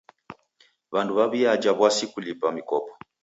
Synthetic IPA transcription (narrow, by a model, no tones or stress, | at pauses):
βanduβaβiad͡ʒaβwasikulipamikɔpɔ̥